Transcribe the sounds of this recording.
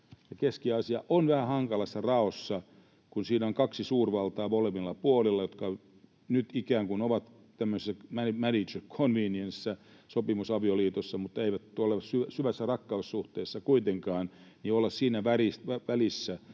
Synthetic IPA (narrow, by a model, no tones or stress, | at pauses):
jɑkeskiɑsiɑʔonʋæhæhɑŋkɑlɑsːɑrɑosːɑ | kunsiːnæoŋkɑksisuːrʋɑlt̪ɑːʋolemilːɑpuolilːɑjot̪kɑ | nyt̪ikæːŋkunoʋɑt̪ | t̪æmːøsesːæmæmænit͡ʃrkʰonʋiːniensːæ | sopimusɑʋioliːt̪osːɑmut̪ːeiʋæt̪oleʋssyʋæsyʋæsːærɑkːɑussuht̪eːsːɑkuit̪eŋkɑːnniolːɑssiːnæʋærisʋæʋælisːæ